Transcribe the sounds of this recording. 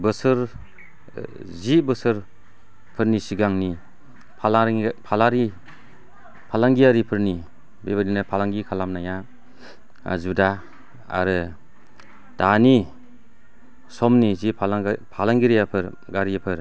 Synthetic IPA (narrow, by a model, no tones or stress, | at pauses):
bɯsɯɾ | zibɯsɯɾ | pʰɯɾnisiɡaŋni | pʰalapʰalaɾi | pʰalaŋɡijaɾipʰɯɾni | bebaninɯpʰalaŋɡikʰalamnaja | zuda | a̰ɾɯ | d̥ani | sɔmnizipʰpʰalaŋɡiɾijapʰɯɾ | ɡaɾijapʰɯɾ